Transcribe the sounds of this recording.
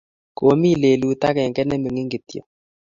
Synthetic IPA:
ko˨mi˦˨le˨lu˦ta˦kɛ˨ŋɡɛ˦nɛ˦me˨ŋi˦ŋɡe˨t̪jɔ̰˨

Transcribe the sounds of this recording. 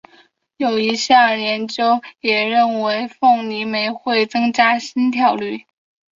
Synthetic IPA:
jo˨˩ʊi˧˥ɕjɑ˥˩ljɛ˧˥nt͡ɕjo˥ʊjɛ˨˩ɻə˥˩nwe˧˥ɪfɤ˥˩ŋni˧˥me˧˥ɪxwe˥˩ɪt͡sɤ˥ŋt͡ɕja˥ɕi˥nt̪ʰjɑ˧˥ʊly˥˩

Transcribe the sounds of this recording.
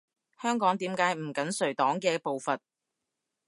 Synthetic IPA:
hœː˥ŋkɔː˨˥ŋt̪iː˨˥mkaː˨˥jm̩˨˩kɐ˨˥nsɵ˨˩ɥt̪ɔː˨˥ŋkɛː˧po˨wfɐ˨t̚

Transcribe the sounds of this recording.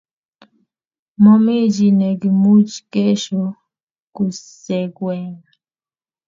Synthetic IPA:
mɔ˦me˦d͡ʒi˨ne˨ɡi˨mu˦t͡ʃke˦ʃo˨ | ku˨sɛ˨ɡwɛ˨ŋ

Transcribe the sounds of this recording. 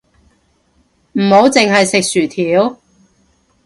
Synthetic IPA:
m̩˨˩ho˨˥wt͡sɪ˨ŋɦɐ˨jsɪ˨k̚syː˨˩t̪ʰiː˨˥w

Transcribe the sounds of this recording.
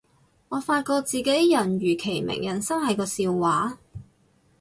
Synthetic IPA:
ŋɔː˨˧faː˧t̚kɔː˧k̚t͡siː˨ke˨˥t̪jɐ˨˩nɥyː˨˩kʰe˨˩jmɪ̰˨˩ŋjɐ˨˩nsɐ˥ŋhɐ˨jkɔː˧siː˧wwaː˨˥

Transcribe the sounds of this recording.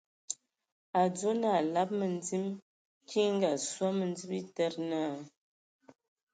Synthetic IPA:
a˨d͡zo˦na˦˨la˦p̚mə˨ndi˦m | kʰi˦ŋ˦ɡa˨swa˦mə˨nd͡zi˦pi˦tɛ˦ɾna˦˨

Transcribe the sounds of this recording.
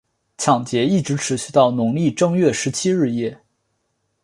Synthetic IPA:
t͡ɕʰjɑ˨˩ŋt͡ɕjɛ˧˥i˥˩ʈ͡ʂɻ̩˧˥ʈ͡ʂʰɻ̩˧˥ɕy˥˧t̪ɑ˥˩ʊnʊ˧˥ŋli˥˩ʈ͡ʂɤ˥˧ŋɥɛ˥˩ʂɻ̩˧˥t͡ɕʰi˥ɻɻ̩˥˧jɛ˥˩

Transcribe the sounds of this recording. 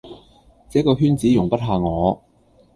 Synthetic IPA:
t͡sɛː˨˥kɔː˧ɦyː˥nt͡siː˨˥jʊ˨˩ŋpɐ˥t̚ɦaː˨˧ŋɔː˨˧

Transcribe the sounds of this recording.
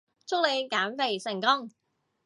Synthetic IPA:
t͡sʰʊ˥k̚le˨˧jkaː˨˥nfe˨˧jsɪ˨˩ŋkʊ˥ŋ

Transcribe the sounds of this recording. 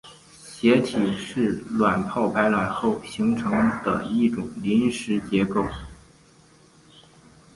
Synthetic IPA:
ɕjɛ˧˥t̪ʰi˨˩ʂɻ̩˥˩lwa˨˩npʰɑ˥˩ʊpʰa˧˥ɪlwa˨˩nxo˥˩ʊɕi˧˥ŋʈ͡ʂʰɤ˧˥ŋd̪ə̰˧i˥˩ʈ͡ʂʊ˨˩ŋli˧˥nʂɻ̩˧˥t͡ɕjɛ˧˥ko˥˩ʊ

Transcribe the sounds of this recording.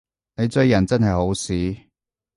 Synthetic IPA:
ne˨˧jt͡sɵ˧ɥːɐ˨˩nt͡sɐ˥nɦɐ˨jho˨˥wsiː˨˥

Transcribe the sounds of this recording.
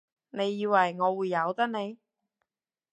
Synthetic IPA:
ne˨˧jːiː˨˧wɐ˨˩jŋɔː˨˧wuː˨˧jːɐ˨˧wt̪ɐ˥k̚ne˨˧j

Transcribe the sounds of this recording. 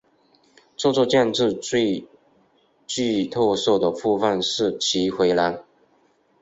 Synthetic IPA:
t͡sɔ˥˧t͡swɔ˥˧t͡ɕjɛ˥˧nʈ͡ʂɻ̩˥˧t͡swe˥˧ɪ | t͡ɕy˥˧t̪ʰɔ˥˧so˥˩d̪ə˩fu˥˧fə˥˧nʂɻ̩˥˩t͡ɕʰi˧˥xwe˧˥ɪla˧˥n

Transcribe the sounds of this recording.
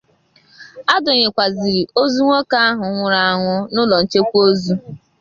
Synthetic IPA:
a˦dʊ˨ɲe˨kʷa˨zi˨ɾi˨ʔo˦zu˦ŋʷo˦ka˦a˦ɦʊ˨ŋʷʊ˨ɾa˨a˨ŋʷʊ˦nʊ˦lɔ˨n̩˨t͡ʃe˦kʷu˦o˦zu˦

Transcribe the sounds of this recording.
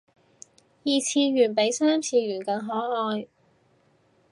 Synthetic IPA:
jiː˨˧t͡sʰiː˧ɥyː˨˩npe˨˥jsaː˥mt͡sʰiː˧ɥyː˨˩nkɐ˧ŋɦɔː˨˥hɔː˧j

